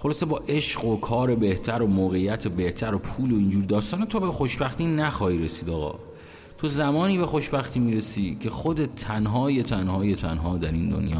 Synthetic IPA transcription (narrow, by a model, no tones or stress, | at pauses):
χo̞lɒːse̞bɒːʔe̞ʃɢo̞kʰɒːɾe̞be̞ht̪ʰæɾo̞moːɣejːæt̪ʰebe̞ht̪ʰæɾopʰuːloind͡ʒuːɾid̪ɒːst̪ɒːnet̪ʰobexo̞ʃbæxt̪iːnæxɒːhiːɾe̞siːd̪ɒːɣɒ̰ː | t̪ʰo̞zæmɒːniːbe̞xo̞ʃbæxt̪ʰiːmiːɾesiːcʰe̞xod̪e̞t̪ʰːænɦɒːje̞t̪ʰænhɒːje̞t̪ʰænɦɒːd̪æɾind̪o̰njɒ̰ː